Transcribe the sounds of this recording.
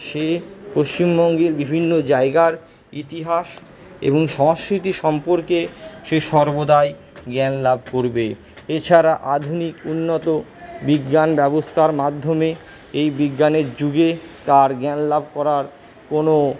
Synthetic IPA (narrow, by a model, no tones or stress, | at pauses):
ʃepoʃt͡ɕimbɔŋɡeɾbibʱinːod͡ʑaeɡaɾ | it̪iɦaʃ | ḛboŋʃɔŋskɾit̪iʃɔmpoɾkeʃeʃɔɾbod̪ae | ɡɛnlab̚ʱkoɾbe | et͡ɕʰaɾaʔad̪ʱunikunːot̪obiɡːanbɛbost̪ʰaɾmad̪ʱːome | ejbiɡːaneɾd͡ʑuɡet̪aɾɡɛnlab̚ʱkɔɾaɾ | kono